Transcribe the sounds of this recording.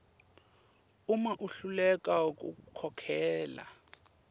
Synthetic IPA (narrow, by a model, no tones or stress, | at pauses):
umaʔuɬulɛkʼak̬ʼṵkʰɔkʰɛːla̰